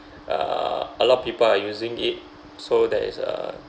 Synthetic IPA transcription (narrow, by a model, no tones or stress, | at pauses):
ʔa̰əlɔt̚pipəlajuzĩŋit̚ | sodɛ̰tsə̰